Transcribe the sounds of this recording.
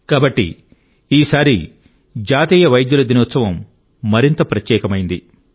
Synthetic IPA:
kaːbɐʈːḭ | iːsaːɾi | d͡ʒaːt̪iːjɐʋɐjd̪julɐd̪inoːt̪sɐʋɐmː | ɐɾint̪ɐpɾɐt̪jɛːkɐmɐjind̪i

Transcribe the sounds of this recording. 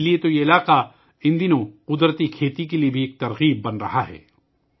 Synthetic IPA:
liet̪ojeɪlaːqa | ɪ̃nd̪inõqʊd̪ɾət̪ikʰeːt̪ikeliebʱieːk̚t̪ɐɾɣiːbːɐnɾɐɦaɦɛ̰ː

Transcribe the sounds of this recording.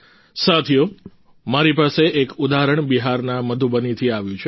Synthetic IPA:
sat̪ʰijo | maɾipaseʔekud̪aɦɾəɳbiɦaɾnaməd̪ʱubənit̪ʰiaʋjũt͡ʃʰe

